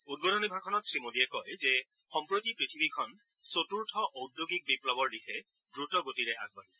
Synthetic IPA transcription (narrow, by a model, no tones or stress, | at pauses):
ud̚bodɔnibʱakʰɔnɔtsɹimodijɛkɔjzɛ | xɔmpɹotipɹitʰibikʰɔn | sotuɹtʰɔʔodjoɡik̚biplɔbɔɹlikʰɛ | dɹutɔɡotiɹɛʔa̰ɡ̚baɦisɛ